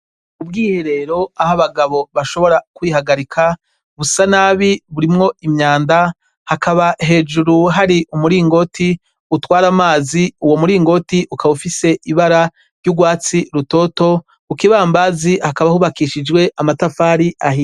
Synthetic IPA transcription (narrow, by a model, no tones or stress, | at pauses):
ub̚ɡiːheɾe̞ɾo̞ahaβaɡaβo̞βaʃo̞βo̞ɾakwiːhaɡaɾikʰa | βusanaːβiβuɾimŋo̞imɲaːnda | hakʰaβaɦe̞ːd͡ʒuɾuɦaɾiumuɾiːŋɡo̞tʰi | utwaːɾamaːziuwo̞muɾiːŋɡo̞tiʔukaβufise̞ʔiβaɾa | ɾɟuɡwaːt͡siɾuto̞to̞ | ukiβaːmbazihakaβahuβakiʃid͡ʒɡwe̞ʔamatafaːɾiaɦi